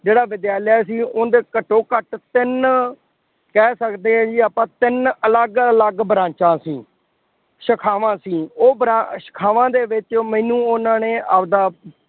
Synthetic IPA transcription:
d͡ʒeːɽaːʋɪd̪jaːlɪaːsiːʊnd̪eːkəʈːoːkəʈt̪ɪn | kɛːsəkd̪eːɛ̃ːd͡ʒiːaːpãːt̪ɪnələɡələɡbɾãːt͡ʃãːsiː | ʃəkʰaːʋãːsiːoːbɾaʃə̥kʰaːʋãːd̪eːʋɪt͡ʃmɛ̃ːnũːonãːneːʔaːpd̪aː

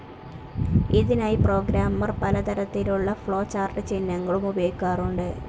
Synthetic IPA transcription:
iðinaːjipro̞ːɡɾaːmːɐrpɐlɐt̪ɐɾɐt̪ːiluɭːɐfɭo̞ːt͡ɕaːrʈɨt͡ɕinːɐŋːɐɭumubɐjkːaːruɳɖɨ

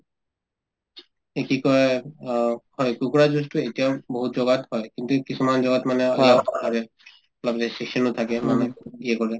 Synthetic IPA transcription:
ekikɔɹɛ | hɔekukɔɹazustuetijaʊboɦutzɔɡathɔjkint̪ukisumanzɔɡatmanɛaiatʰabɛ | labtɛseksɔnot̪ʰakɛmanɛɡiɛkɔɹɛ

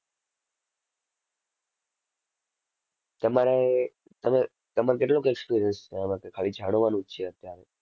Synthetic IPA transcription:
t̪əmaɾe | t̪əme | t̪əmaɾekeʈlõkekspiɾijənsmakekʰaɭid͡ʒʱaɽ̃əʋanũt͡ʃʰeət̪jaɾe

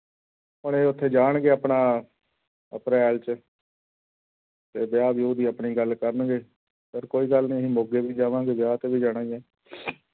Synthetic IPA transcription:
ʊnẽːʊt̪ʰːeːd͡ʒaːɳɡeːəpɳaː | əpɾɛːlt͡ʃ | t̪eːbɪjaːbjoːd̪iːəpɳiːɡəlkəɾənɡeː | pʰɪɾkoːiːɡəlnĩːɦĩːmoːɡeːbiːd͡ʒaːʋãːɡeːbjaːt̪eːbiːd͡ʒaːɽ̃ãːeː

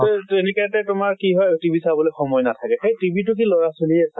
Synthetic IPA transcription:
tenikatɛtʊmaɹkiɦɔjotibʱisabɔlɔjxɔmɔjnatʰakɛxejtibʱit̬ʊk̬ilɔɹasoliɛsa

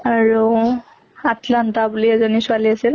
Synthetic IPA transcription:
aɹu | atlantabuliɛzɔnisualiasil

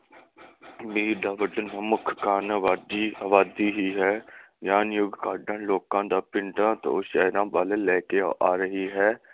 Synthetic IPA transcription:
biːɖaːʋəɖənɦə̃mʊkʰkaːnaʋaːd̪iːaːʋaːd̪iːɦiːɦɛːɡjaːnjʊɡkaːɖãːloːkãːd̪aːpɪ̃ɳʈãːt̪õ̰ːʃəːɾãːbaːleːlɛːkeʔaːɾəɦiːɦɛː

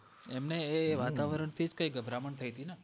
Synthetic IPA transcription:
emneːʋat̪aʋəɾəɳt̪ʰid͡ʒkəjɡəbʱɾaməɳt̪ʰəjt̪ina

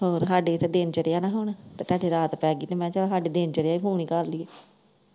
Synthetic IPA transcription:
ɦoːɾsaːɖeːɪt̪ʰːeːd̪eːnt͡ʃəɽeːaːnaːɦʊɳt̪eːʈaːɖeːɾaːt̪pɛːɡiːt̪eːmɛ̃ːt͡ʃəlaːsaːɖeːd̪eːnt͡ʃəɾeaːipʰuːɳ̃iːkəɾliːeː

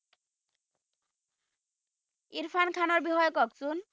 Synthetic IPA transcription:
iɾfʰankʰanɔɹbixɔjɔkɔksun

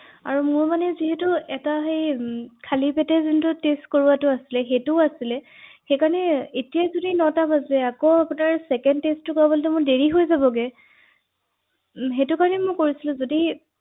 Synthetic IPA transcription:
a̰ɹumʊɹmanɛziɦɛtʊɛtaɦejkʰalipɛtɛzintʊtestkoɹuatʊasilɛxetʊasilɛ | xejkaɹɔnɛetijazodinɔtabazɛakoapʊnaɹsɛkɛndtestʊkabɔltɛmʊɹdeɹiɦojzabɔɡɛ | ɦetʊkaɹɔnɛmʊkoɹisilʊ̃zodi

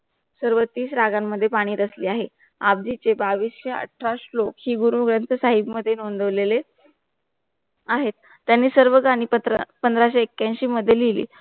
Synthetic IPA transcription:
səɾʋət̪ːiːsɾaɡamːəd̪ʱːjepaɽ̃iːɾəsliːaɦe | ab̚d͡ʑit͡sebaʋiːsɕeə̰ʈʰɾaɕlokhiːɡuɾuɡɾənt̪ʰəsaɦibməd̪ʱːjenond̪əʋlele | aɦet̪ːjanːiːsəɾʋəɡaɽ̃iːpəpənd̪ɾaɕeːkːjãnɕiːməd̪ʱjelilḭː

